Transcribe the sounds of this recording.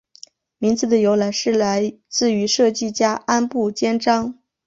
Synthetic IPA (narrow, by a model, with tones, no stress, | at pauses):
mi˧˥ŋt͡sɹ̩˨˩d̪ə˩jo˧˥ʊla˧˥ɪʂɻ̩˥˩la˧˥ɪt͡sɹ̩˥˩y˧˥ʂɤ˥˧t͡ɕi˥˩t͡ɕja˥a˥npu˥˩t͡ɕjɛ˥nʈ͡ʂɑ˥ŋ